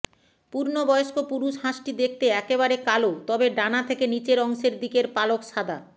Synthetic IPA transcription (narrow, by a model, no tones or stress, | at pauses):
puɾnobɔjoʃkopuɾuʃɦaʃʈid̪ek̚ʰt̪eɛkeβaɾekalot̪ɔbeɖanat̪ʰekenit͡ɕeɾɔŋʃeɾd̪ikeɾpalokʃad̪ʱa